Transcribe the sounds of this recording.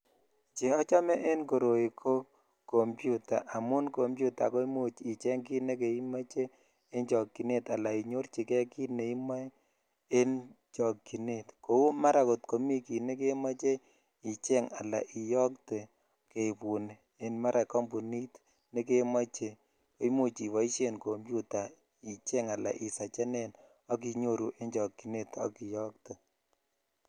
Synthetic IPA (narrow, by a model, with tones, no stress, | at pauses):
t͡ʃe˨ɔ˦t͡ʃɔ˦mɛ˦ʔe˦nko˨ɾo˨i˨kʰo˦ | ko˨mpju˦ta̰˨ʔa˨mʊ˦nkɔ˨mpju˦ta̰˨kɔ˦i˦mo˦t͡ʃi˨t͡ʃɛ˦ŋki˦ne˦k̬e˨i˦ma˦t͡ʃeː˦ | nt͡ʃɔ˨kːi˨ne˦˨ta˨la˨i˨ɲo˦rt͡ʃi˨kɛ˦ki˦ne˨i˦ma˦j | e˦n | t͡ʃɔ˨kːi˨ne˦˨tko˨u˦ma˦ɾa˨ko˨t̚ko˨mi˦ki˨ne˦ke˦ma˦t͡ʃe˦ | i˨t͡ʃɛ˦ŋa˨la̰˨ʔi˨jɔ˦k̚te˨ | ke˨pu˨ne˨ | e˨nma˦ɾʔa˨kɔ˦mbu˨ni˦t | ne˦ke˦ma˦t͡ʃe˨ | o˨i˦mu˦t͡ʃi˨βa˨i˦ʃe˦nko˨mbju˦ta˨ | i˨t͡ʃɛ˦ŋa˨la̰˨ʔi˨sa˨t͡ʃɛ˦ne˦n | ɔ˦k̬i˧ɲo˦ɾu˨ʔe˦nt͡ʃɔ˨kːi˨ne˨tɔ̰˨ki˨jɔ˦kte˨